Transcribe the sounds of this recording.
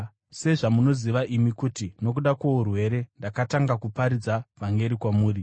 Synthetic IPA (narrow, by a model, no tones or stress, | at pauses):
se̞ʐamuno̞ziʋaʔimikutino̞kuɗakwo̞urwe̞ɾe̞ndakataŋɡakupaɾid͡zavaŋɡe̞ɾikwamuːri